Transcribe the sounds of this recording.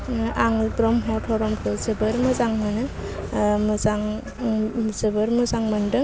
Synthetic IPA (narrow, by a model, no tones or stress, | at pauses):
aŋbɾɔmɦɔtʰɔɾɔmkʰɯzɯbɯɾmɯzaŋmɯnɯ | mɯzaŋ | zɯbɯɾmɯzaŋmɐndɯ